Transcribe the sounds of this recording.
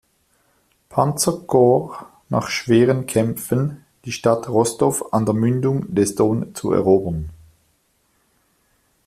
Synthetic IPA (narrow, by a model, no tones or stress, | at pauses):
pʰant͡səɡ̥oː | na̰ːχʃv̥eːʁənkʰɛmfən | d̥iːʃtatʁɔsd̥ɔfandeːɐmʏndʊŋdɛstoːnt͡sṵɛ̰ʁoːbən